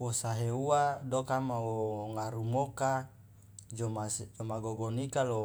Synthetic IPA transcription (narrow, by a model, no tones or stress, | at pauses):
wosaɦeuadokamawoŋaɾumoka | d͡ʒomasd͡ʒomaɡoɡonikalo